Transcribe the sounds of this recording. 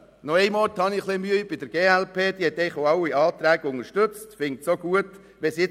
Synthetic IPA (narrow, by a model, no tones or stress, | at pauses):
nɔɛɪmɔɾthɑniχlɪmyːb̥ɪd̥əɾɡ̥eːælpʰeːd̪̥ihɛt̪ɛɪχoɑwiɑːt̪ɾæːɡ̥əʊŋəʃtʉt͡stfɪŋtsoɡuət̪ | ʋɛsɪ